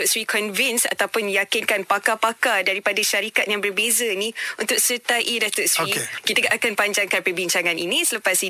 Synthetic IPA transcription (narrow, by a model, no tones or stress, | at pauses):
sɾikɔnvinsa̰t̪awpʊnjakinkanpakapakadaɾipadaʃaɾikat̪̚jaŋbərbezənĩunt̪ʊk̚sət̪aʔidat̪ʊsiekit̪aɡaʔakanpaɲd͡ʒaŋkanpərbiɲt͡ʃaŋãninĩsələpasi